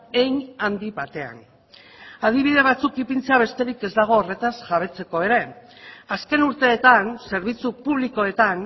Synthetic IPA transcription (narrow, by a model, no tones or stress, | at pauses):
ejnand̪iβat̪e̞a̰n | að̞iβ̞iðe̞β̞at͡sukipint͡seaβ̞e̞st̪e̞ɾike̞zd̪aɣ̞o̞ːre̞t̪asʝaβ̞e̞t͡se̞ko̞e̞ɾe̞ | aske̞nuɾt̪e̞ːt̪anse̞ɾβ̞it͡supuβ̞liko̞e̞t̪an